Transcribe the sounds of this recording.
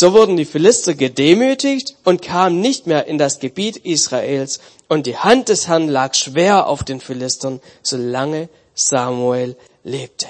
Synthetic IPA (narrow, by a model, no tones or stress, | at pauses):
z̥oːvʊɐdn̩diːfɪlɪstɐɡədeːmyːtɪçtʊntkʰaːmənɪçtmeːɐʔɪndasɡ̥əbiːtʔiːsʁ̥aʔeːls | ʊnt̚d̥iːhant̚d̥ɛshɛɐnlaːkʃv̥eːɐʔa̰ʊfd̥eːnfɪlɪstɐnz̥oːlaŋə | z̥aːmueːlː | eːp̚tʰə̥